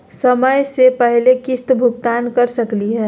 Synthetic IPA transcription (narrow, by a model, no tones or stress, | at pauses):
səməjsepɛɦlekɪst̪bʱʊɡt̪aːnkəɾsəkliɦɛː